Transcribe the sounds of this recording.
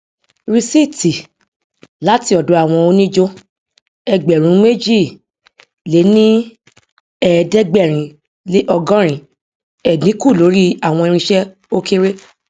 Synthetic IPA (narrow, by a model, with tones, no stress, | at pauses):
ɾi˧si˦ti˨ | la˨˦ti˧ɔ˨do˨˧˦a˦˨w̃ɔ̃˧o˧nĩ˦d͡ʒo˧ | ɛ˧ɡ͡bɛ˨ɾ̃ũ˨˦me˦d͡ʒi˦˨ | le˨˦nĩ˦ | ɛː˦˨˧dɛ˦ɡ͡bɛ˦˨ɾ̃ĩ˨˧ | le˦ʔɔ˧ɡɔ̃˦ɾ̃ĩ˧ | ɛ˨nĩ˨˦ku˦˨lo˨˦ɾi˦a˦˨w̃ɔ̃˧i˧ɾ̃ĩ˧ʃɛ˦ | o˦ke˦ɾe˦